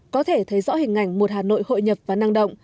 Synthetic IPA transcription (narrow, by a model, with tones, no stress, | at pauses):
kɔ˨˦t̪ʰe˧˩t̪ʰə˨˦jzɔ̰˧˥hï˨˩ŋ̟ʔa˧˩jŋ̟mo˨˩t̚haː˨˩no̰˧˨jho̰˧˨jɲə˨˩p̚vaː˨˩naː˧ŋɗə̰˧˨wŋ͡m